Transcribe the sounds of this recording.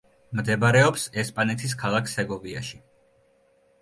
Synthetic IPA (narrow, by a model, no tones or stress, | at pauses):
md̪ɛbɾɛɔpsɛspʼanɛt̪ʰis̬kʰalˠakʰsɛɡɔvia̰ʃi